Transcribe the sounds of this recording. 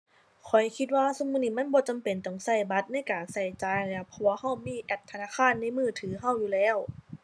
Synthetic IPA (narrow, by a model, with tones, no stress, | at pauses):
kʰɔ˨˩jkʰi˧˥t̪̚waː˧so˧˦muː˧˥niː˧˩ma˧˥˨nbɔː˧˦t͡ɕa˨mpe˨nt̪ɔ˧˩ŋsa˧˩jba˧˦t̪̚na˧˥˨jkaː˨˩nsa˧˩jt͡ɕaː˨˧˩ja˧˩pʰɔ˧waː˧ha˧˥˩wmiː˧˨ʔɛː˦˥p̚t̪ʰa˧naː˧˥˨kʰaː˧˥˨nːa˧˥˩jmɯː˧˩t̪ʰɯː˩˦ɦa˧˥˨wjuː˧lɛː˧˥˩w